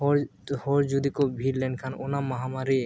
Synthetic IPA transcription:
ɔɾhɔɾd͡ʒud̪ikobʱiɾlɛnkʰanonamaɦamaɾi

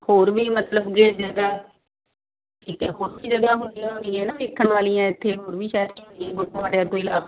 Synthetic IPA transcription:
hoːɾʋiːmət̪ləbɡeːʈd͡ʒəɡaː | iːkːɦoːɾbiːd͡ʒəɡaːɦʊnijãːɦʊniːɛ̃ːnãːɾɪːkʰːəɳʋaːlijãːɪt̪ʰːeːɦoːɾbiːʃaːəɾkioːniãːbʊʈːõaːʈːaːt̪oiːlaː

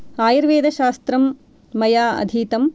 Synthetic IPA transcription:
aːjiɾʋeːd̪ɐʃaːst̪ɾɐmː | ɐjaːɐ̰d̪ʱiːt̪ɐm

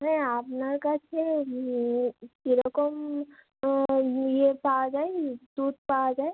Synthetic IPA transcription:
ɦɛ̃apnakat͡ʃʰe | k̪iɾəkɔm | jepad͡ʒaed̪ud̪̚pad͡ʒaːe

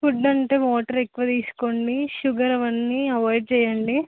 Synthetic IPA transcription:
fuɖːɐɳʈeːʋoːʈɐɾekːuʋɐt̪iːsu̥koɳɖiʃuɡɐɾɐʋɐnːiɐʋaːjɖ̚t͡ʃɛːjɐɳɖi

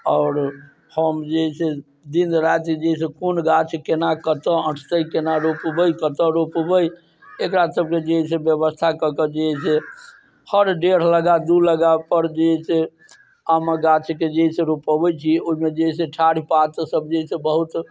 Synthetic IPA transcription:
ɔʊɾ | həmd͡ʒeɦɛse | d̪ind̪ɾat̪ed͡ʒeɦisẽkonɡat͡ʃʰkenakət̪əə̃ʈʰt̪əjkenaɾopbəjkət̪əɾopbəj | ekɾasəb̚ked͡ʒeɦɛsẽbjəbəst̪ʰakəkəd͡ʒeɦɛse | həɾɖeɾ̤ləɡad̪uləɡapəɾd͡ʒeɦɛse | aməɡat͡ʃʰked͡ʒeɦɛsẽɾopəbəjt͡ʃʰioɦimed͡ʒeɦɛsẽʈʰaɽ̤ipat̪səbd͡ʒeɦisẽbəɦut̪

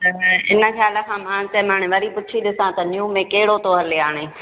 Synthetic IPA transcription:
t̪ɐɪ̰nə̆xjaːlə̆kʰãːmãːt͡ɕɐmãːɽ̃ɪʋɐɾipʊt͡ʃʰiɗ̪ɪsãt̪ɐnjũːmẽkɐɦɪɽot̪oːɦəɾleaːɽ̃eː

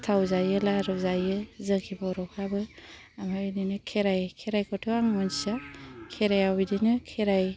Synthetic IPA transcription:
tʰawzajɯlaɾɯzajɯzɯkʰibawɾɔkʰabɯ | amaidinɯkʰeɾajkʰeɾajkʰɔtʰuaŋmɔnsakʰeɾajawbidinɯkʰeɾaj

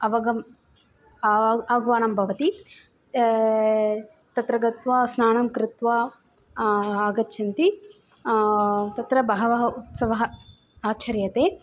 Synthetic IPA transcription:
ɐʋɐɡɐm | ɐʋɐɡʋaːnɐmbʱɐʋɐt̪i | t̪ɐt̪ɾɐɡɐt̪ʋaːsnaːɳɐmkɾɪt̪ʋa | ɐɡɐt̪ʃɐnt̪i | t̪ɐt̪ɾɐbɐɦɐʋɐɦɐut̪sɐʋɐɦɐ | aːt͡ʃɐɾjɐt̪eː

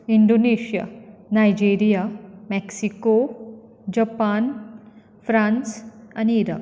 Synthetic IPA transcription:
iɳɖoneɕija̰najd͡ʑeɾijamɛksiko | d͡ʑəpan | fɾãnsaniːɾa̰k

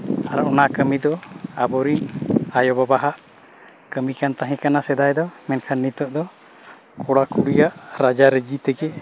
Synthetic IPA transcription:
aɾaʔɔnakəmid̪ɔabɔɾiɲajɔbabaɦaʔ | kəmikant̪aɦɛ̃kanasɛd̪ajd̪ɔmɛnkʰanːit̪əʔd̪ɔ | kɔɽakuɽijaʔɾad͡ʒaɾəd͡ʒit̪ɛɡɛ

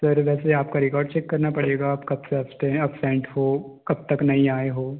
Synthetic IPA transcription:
sɐɾʋɛːseaːp̚kaɾɪkɔːɾɖ̚t͡ʃɛkːɐɾnapɐɽeːɡaːpkɐbseɐsʈẽɐpsɛ̃ːɳʈhoːkɐb̚t̪ɐknɐɦĩaːeɦoː

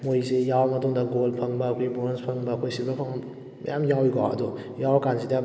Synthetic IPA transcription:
mojsejawmɐtuŋdaɡolpʰaŋbakʰojboɾnspʰaŋbakʰojsibapʰa | jamjawjɡɔa̰dɔ | jawkansida

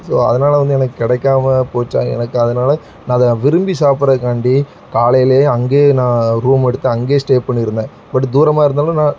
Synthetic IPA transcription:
soːɐ̰ðɐnaːlɐʋɐnd̪ɯɛnɐkːɯkɪɽɛkːaːmɐpoːt͡ʃːã̰ːɛ̰nɐkːɯɐðɐnaːlɐ | nãːðɐ̃ʋɪɾɯmbisaːpɪɾɐkaːɳɖi | kaːlɐjɪleːɐŋɡeːnãːɾuːmɛɽɯt̪ːɯɐŋɡeːsʈeːpɐɳːɪɾɯnd̪ẽː | bɐʈːɯd̪uːɾɐmaːɪɾɯnd̪aːlɐ̃nãː

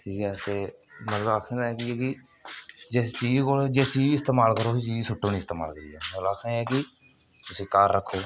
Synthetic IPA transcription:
ʈʰiːkɛːt̪eːmət̪ləbaːkʰːd̪aːɛːkɪɛkɪ | d͡ʒɪst͡ʃiːd͡ʒkoːld͡ʒɪst͡ʃiːd͡ʒɪst̪eːmaːlkəɾoːɦiːt͡ʃiːd͡ʒsʊʈʰːõːnĩːɪst̪eːma̰ːlkəɾiːɛ̰ːolaːkʰẽɛːkɪ | t̪ʊsĩːkaːɾːəkʰːoː

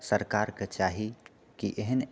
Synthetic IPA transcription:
səɾkaɾket͡ʃaːɦi | kiʔeɦən

